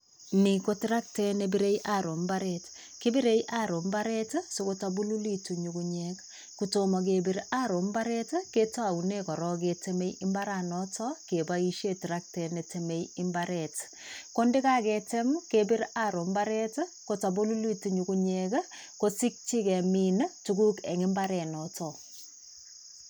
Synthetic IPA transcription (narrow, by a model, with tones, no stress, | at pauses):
ni˨ko˦tɪ˦ɾa˦k̚te˦nebiɾe˦jʔaɾo˨mbaɾɛ˨t | ki˦bi˦ɾe˦jʔa˦ɾo˨mba˦ɾɛ˦tso˦ko˦ta˨bu˦lu˦li˦tu˨ɲu˨kuɲek | kuto˨mɔ˨k̬e˨bi˦ɾa˦ɾo˨mba˦ɾɛ˦tke˦tɔ˦a˨wne˦kɔ˨ɾɔ˦k̬e˨te˦me˦jɪ˦mba˦ɾa˨nɔ˦tʰɔke˨ba˦i˦ʃe˦tɾa˦k̚tɛ˨ne˨te˨me˦jɪ˦mbaɾɛ˨t | ko˦ndɪ˦ka˦kɛte˦mke˦bi˦ɾa˦ɾo˨mbaɾɛ˦tko˦ta˨bo˦lu˦li˦tu˨ɲu˨ku˦ɲɛk | ko˦si˦k̚t͡ʃi˦kɛ˨mi˦ntu˨ku˦ke˨ŋɪ˦mba˦ɾɛ˨nɔtɔ˨